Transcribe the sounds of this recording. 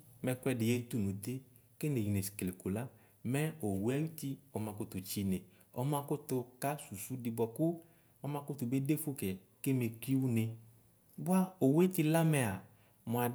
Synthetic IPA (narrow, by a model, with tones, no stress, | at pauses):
mɛ˧kwɛ˧dɪ˨je˦˧˦tu˦˨nu˨t̪e˦ | ke˦ne˨ji˨ne˨si̥˨ke˨le˨ku˨la˦ | mɛ˦o˨wɛ˦ju˦ti˧ɔ˧mã˧kʊ˦tu˨t͡ʃi˧ne˨ | ɔ̰˧mã˧kʊ˦tʊ˧ka˦su˨su˦di˧bʷa˧kʊ˦ | ɔ˧mã˧kʊ˦tu˧be˦de˦fu˦kɛ˨ | ke˦me˧ki˦wu˦ne˧ | bwa˦o˨we˦ti˧la˦mɛ˧a˨ | mu˨a˨